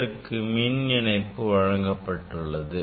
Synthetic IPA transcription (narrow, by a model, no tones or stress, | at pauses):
ɾɯkːɯminɪnɐɪpːɯʋɐɻɐŋɡɐpːɐʈːɯɭːɐðɯ